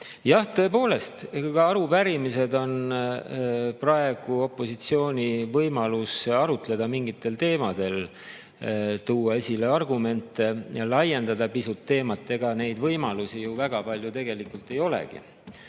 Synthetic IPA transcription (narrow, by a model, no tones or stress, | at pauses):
jɑht̪ø̞ːpo̞ːle̞st̪kɑɑɾupæɾimise̞d̪o̞n | prɑe̞ɡ̥uo̞pˑːo̞sit̪sio̞ːnʲivɤjmɑlusɑɾut̪le̞d̪̥ɑmiŋɡit̪ːˑe̞lt̪e̞ːmɑd̪̥e̞l | t̪uːɑe̞sʲile̞ɑrɡume̞nt̪ːˑe̞lɑje̞nd̪̥ɑd̪ɑpisut̪ːe̞ːmɑt̪ːˑe̞ɡ̥ɑne̞jd̪vɤjmɑlusijuvæɡ̥ɑpɑlʲjut̪e̞ɡ̥e̞likult̪ˑe̞jo̞lḛɡḭ